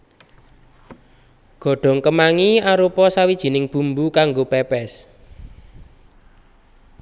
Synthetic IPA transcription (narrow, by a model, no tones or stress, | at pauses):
ɡ̥ɔ̤ɖ̥ɔ̤ŋkəmaŋiaɾupɔsawid̥ʒ̥i̤nɪŋb̥ṳmbukaŋɡopɛpɛs